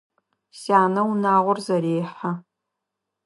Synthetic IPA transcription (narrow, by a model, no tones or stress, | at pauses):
saːnɐwnaːʁʷʊrzɐɾeːħa